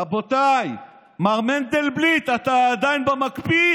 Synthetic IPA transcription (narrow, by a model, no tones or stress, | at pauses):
abo̞t̪aj | maʁmend̪elblit̪at̪aːd̪ajnbemakbi